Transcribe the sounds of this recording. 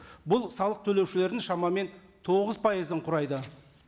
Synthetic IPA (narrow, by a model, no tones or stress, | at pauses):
bʊlˠsɑlˠəq̚t̪ʰɵle̞wʃɪle̞ɾd̪ɪŋʃɑmɑme̞n | t̪ʰo̞ʁəzpʰɑjizəɴqʰʊɾɑjd̪ə